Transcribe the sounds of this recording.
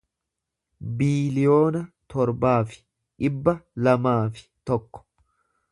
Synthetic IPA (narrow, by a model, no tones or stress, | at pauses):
biːlɪjo̞ːnɐt̪ɔɾbaːfɪ̥ | ᶑɪbːɐlɐmaːfɪ̥t̪ɔkːɔ̥